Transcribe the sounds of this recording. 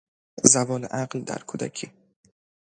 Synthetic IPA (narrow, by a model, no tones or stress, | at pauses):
zævɒːleʔæɢld̪æ̰ɾkʰuːd̪æ̰cʰi